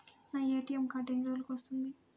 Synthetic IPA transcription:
naːeːʈijemkaʈeɲɾoːlukʋɐst̪und̪i

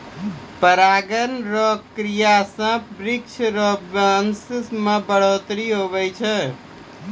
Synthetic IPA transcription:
pəɾaɡənɾəkɾijasãbɾikt͡ʃʰɾəbanssmãbəɽ̤ot̪ɾiɦoβɛjt͡ʃʰɛ

